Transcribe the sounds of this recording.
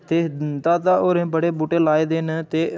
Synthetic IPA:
t̪eːd̪aːt̪aːoːɾẽːbəɽeːbuːʈeːlaːeːd̪eːnt̪eː

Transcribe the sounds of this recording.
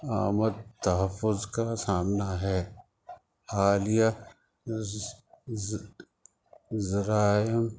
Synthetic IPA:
a̰ːməd̪̚t̪ɐɦəfːʊzkasaːmnaɦɛː | aːlija | zɾaːjəm

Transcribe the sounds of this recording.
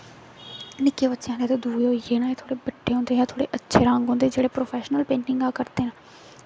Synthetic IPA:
nɪkeːbətːʃjãːneːt̪eːd̪ʱuːoːjeːnãːẽːt̪ʰoːɽeːbəʈːeːɦõːnd̪eːjãːt̪ʰoːɽḛːʔətːʃʰeːɾãːŋɡɦõːnd̪ed͡ʒeːɽeːpɾoːpʰɛːʃnəlpẽːɳʈɪŋɡaːkəɾt̪eːnaː

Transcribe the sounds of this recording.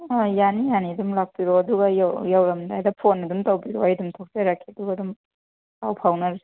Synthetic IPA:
ajanijanidumlak̚piɾoɐduɡɐjawjawɾɐmdajdɐpʰonɐdumtɐwbiɾoajdumtʰok̚t͡ʃeɾakʰiɐduɡɐdum | kawpʰawnɐɾi

